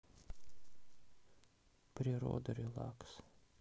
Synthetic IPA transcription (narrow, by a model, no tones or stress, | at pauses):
pʲɾʲiɾo̰ːd̪ɐɾʲilˠɑ̰ks